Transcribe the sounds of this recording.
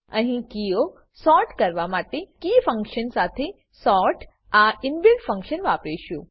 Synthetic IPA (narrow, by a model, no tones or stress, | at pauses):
əɦĩkio | sɔɾʈkəɾʋamaʈekifə̃ŋkʃənsat̪ʰe | sɔɾʈʰ | aɪnʋilɖfə̃ŋkʃənʋapeʃũ